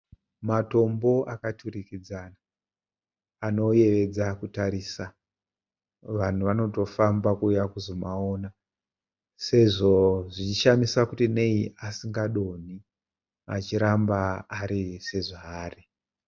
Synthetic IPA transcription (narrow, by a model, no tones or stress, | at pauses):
mato̞mbo̞ʔakatʰurikid͡zana | no̞je̞ʋe̞d͡zakutaɾisa | ʋan̤uʋano̞to̞fambakuːjakuzo̞maona | se̞ʐo̞ʐit͡ʃiʃamisakutine̞iʔasiŋɡaɗo̞n̤i | at͡ʃiɾambaːɾise̞ʐaːri